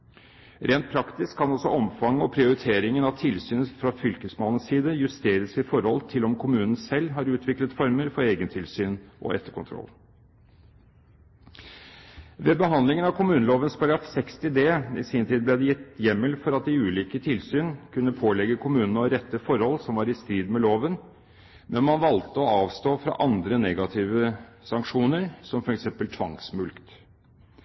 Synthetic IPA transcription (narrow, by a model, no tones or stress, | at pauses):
ɾeːnt̪̚pʰɾɑkt̪ɪskkʰːɑnɔsɔɔmfɑŋːəɔpʰɾɪʊɾɪt̪ʰeːɾɪŋənɑʋt̪ʰɪlsyːnəfɾɑfʏlkəsmɑːnənssiːd̪əjʉst̪eːɾəsɪfɔɾhɔlt̪ʰɪlɔmkʰʊmʉːnən̩sɛlːɦɑɾʉːt̪ʰʋɪklət̪fɔɾməɾfɔɾeːɡənt̪ʰɪlsyːnʔɔ̰ʔɛt̪ːəɾkʊnt̪ʰɾɔ̰l | ʋeːbəɦɑnd̪lɪŋənɑʋkʰʊmʉːnəloːʋənspɑɾɡɾɑfsɛkst̪ɪd̪eːɪ̰siːnt̪ʰiːd̪̚b̪lɛd̪ɛjɪt̪ːjɛmːəlfɔɾɑt̪̚d̪ɪʉːliːkət̪ʰɪlsyːnkʰʉnːəpʰoːlɛɡəkʰʊmʉːnənɔɾɛt̪ːəfɔɾhɔlsɔmʋɑːɾɪst̪ɾiːd̪mɛloːʋən | mʔɛnmɑnʋɑlt̪əɔɑːʋst̪oːfɾɑ̰ʔɑnd̪ɾənɛɡɑt̪ʰɪːʋəsɑŋkʂuːnəɾsɔmfɔɾɛksɛmpəlt̪ʰʋɑŋsmʉlkt̪